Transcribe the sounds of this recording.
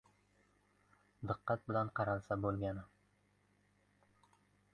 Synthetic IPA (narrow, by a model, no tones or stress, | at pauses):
d̪ɨqːɑt̪̚bɪlanqʰɑɾalˠsabolˠɡʲanɪ